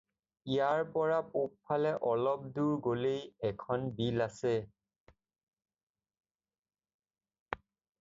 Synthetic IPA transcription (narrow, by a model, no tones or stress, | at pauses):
ijaɹpɔɹapop̚pʰalɛʔɔlɔp̚duɹɡolejɛkʰɔnbilasɛ